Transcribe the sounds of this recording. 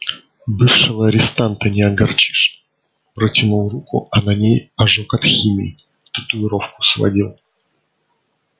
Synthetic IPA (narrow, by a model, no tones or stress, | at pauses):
bɨfʂɨvəɐɾʲɪst̪ant̪ənʲɪɐɡɐrt͡ɕi̥ʂ | pɾətʲɪnulˠrukʊ̰anɐnʲejɐʐokɐt̪xʲimʲɪ̰ː | t̪ə̥t̪ʊɪɾo̞fkʊ̥svɐ̰dʲilˠ